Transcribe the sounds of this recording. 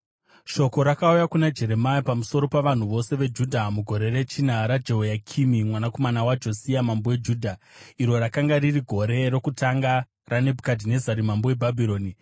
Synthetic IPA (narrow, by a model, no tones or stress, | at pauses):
ʃo̞ko̞ɾakaujakunad͡ʒe̞ɾe̞maipamuso̞ɾo̞paʋan̤uʋo̞se̞ʋe̞d͡ʒudʱamuɡʱo̞ɾe̞ɾe̞t͡ʃinaɾad͡ʒeɦojakʰimimwanako̞manawad͡ʒo̞siamambowed͡ʒuːdʱa | iɾo̞ɾakaŋɡaririɡʱo̞ɾe̞ɾokutaŋɡa | rane̞bʱukadʱine̞zaɾimambowe̞bʱabʱiɾo̞ːni